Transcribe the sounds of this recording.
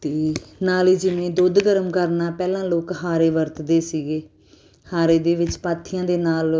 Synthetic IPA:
t̪eːnaːliːd͡ʒɪʋẽːd̪ʊd̪ɡəɾəmkəɾnaːpɛːlãːloːkɦaːɾeːʋəɾt̪d̪eːsiːɡeː | haːɾeːd̪eːʋɪt͡ʃpaːt̪ʰːɪjãːd̪eːnaːl

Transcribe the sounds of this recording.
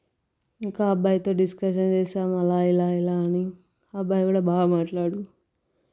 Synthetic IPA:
iŋkaːbʱaːjt̪o̞ːɖiskɐʃ̬ɐnt͡ʃeːʃaːmɐlaːilaːilaːɐni | aːbːaːjkuːɽabaːɡɐmaːʈlaːɽu

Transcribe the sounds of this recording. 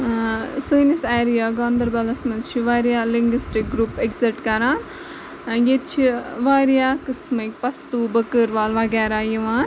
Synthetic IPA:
sujniseːɾijaːɡɔːnd̪ɐɾbɐlɐsmɐzt͡ʃʰiʋaɾijaːliŋɡʋisʈik̚ɡɾupekziʈkɐɾaːn | jet̪t͡ʃʰiʋaːɾijaːkɨsmɐk̚ʲpɐst̪uːbəkɨɾʋaːlʋɐɡɛːɾajiʋaːn

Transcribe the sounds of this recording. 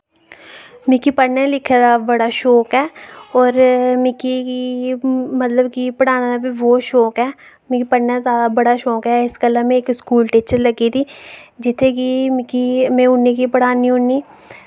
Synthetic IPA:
mɪkipəɽnẽlɪkʰed̪abəɽaːʃɔːkɦɛːɔːɾmɪkiki | mət̪ləbkipəɽaːnad̪abiʋoːʃɔːkɦɛː | mẽkipəɽnazjaːd̪abəɽaːʃɔːkɦɛːɪskələmẽeːkskuːlʈiːt͡ʃəɾləɡit̪ʰiːd͡ʒɪt̪ʰːekimɪkimẽːʊnːekipəɽaːnĩʊnːiː

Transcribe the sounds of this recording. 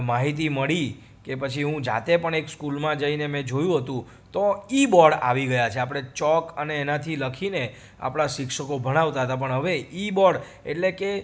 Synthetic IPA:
maɦit̪̬iməɭi | kepət͡ʃʰiɦũd͡ʒa̰t̪epəɳekskulmãd͡ʒəinemɛ̃d͡ʒojũɦət̪ũ | t̪oibɔɽa̰ʋiɡəjat͡ʃʰeapɽ̃et͡ʃɔkəneːnat̪ʰiləkʰine | a̰pɽ̃aʃɪkʃəkobʱəɽ̃aʋt̪aɦət̪ap̬əɳɦəʋeibɔɽ | eʈleke

